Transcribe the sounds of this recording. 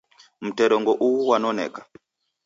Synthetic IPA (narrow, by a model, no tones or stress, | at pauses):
m̩tɛɾɔŋɡɔʔuwuwanɔnɛ̰ːkḁ